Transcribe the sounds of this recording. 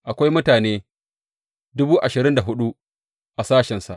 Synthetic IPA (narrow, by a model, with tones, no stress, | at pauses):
ʔa˨kʷa˦jmʊ˦taː˨neː˦ | dʊ˦buː˦ʔa˨ʃɪ˨ɾɪ˦nda˨ɦʊ˦ɗu˦ | ʔa˨saː˦ʃɛ˨nsa̰˨ʔ